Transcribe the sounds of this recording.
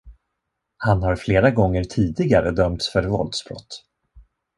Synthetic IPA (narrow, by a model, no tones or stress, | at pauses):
hanhaɾfleːɾaɡɔŋːəɾt̪ʰiːd̪ɪɡaɾəd̪œmt̪sfœɾvɔ̰ld̪sbɾɔ̰t̪ː